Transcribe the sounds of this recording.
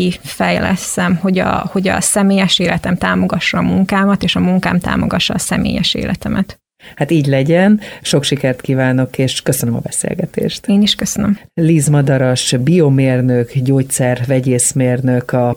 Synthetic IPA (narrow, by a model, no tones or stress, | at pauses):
ifɛjlɛ̰sːɛmho̞ɟɒ̰ho̞ɟɒ̰sɛmeːjɛʃeːlʔɛt̪ɛmt̪aːmo̞ɡɒʃːɒːmuŋkaːmɒt̪eːʃɒmuŋkaːmt̪a̰ːmo̞̰ɡɒʃːɒːsɛmʔḛːjɛʃḛːlʔɛt̪ɛmʔɛt̪ | hat̪iːɟlɛɟɛnʃo̞kʃikɛrt̪kiːvaːno̞keːʃkøsønømɒbɛsḛːlɡɛt̪ḛːʃt̪eːniʃkøsønømliːzmɒd̪ɒɾoʃbijomeːrnøkɟoːc̚t̪sɛrvɛɟeːsmeːrnøkɒ